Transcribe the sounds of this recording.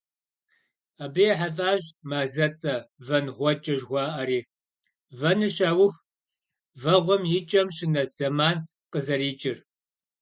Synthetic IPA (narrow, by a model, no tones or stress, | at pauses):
abɨjɛħafʼaːʑmaːzɐt͡sʼɐvɐnʁʷɔt͡ʃʼɐʒʁʷɑːʔɐɾiː | vɐnɨɕaːwʊx | vɐʁʷɔmjɪt͡ʃʼɐmɕɪnɐsɐmaːn | qəzɐɾiːt͡ʃʼɪr